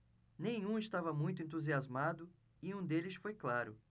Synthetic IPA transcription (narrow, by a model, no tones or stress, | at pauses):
nẽj̃ũɪst̪avɐmũj̃t̪ʊẽnt̪̬uziazmad̪ʊ | ɪũd̪elɪsfojklaɾʊ̰